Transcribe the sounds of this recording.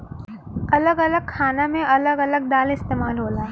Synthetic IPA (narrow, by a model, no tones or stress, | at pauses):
ɐləɡɐləɡ̚kʰaːnamẽɐləɡɐləɡ̚ɖ̪aːlɪst̪eːmaːlɦoːlaː